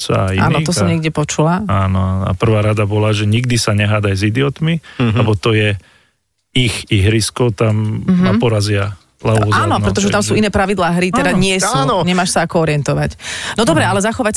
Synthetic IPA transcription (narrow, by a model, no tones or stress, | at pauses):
t͡sa̰iʔa̰ːɔt̪ɔsɔmmɲɪɛɡɟɛpɔt͡ʃulaaːnɔaːnɔa̰pr̩ʋaːɾad̪abɔlaʒɛɲiɡd̪isaɲɛɦaːd̪ajzid̪iɔt̪milɛbɔt̪ɔjɛ | ixiɦɾiskɔʊt̪amnapɔɾazɪa | laɔzaːnɔnɾɛt̪ɔʒɛt̪amsuːinɛːpɾaʋid̪laːɦɾit̪ɛd̪aɲɪɛsuɲɛmaːʃsaakɔɔɾɪɛnt̪ɔʋacnɔd̪ɔbɾɛalɛzaxɔʋac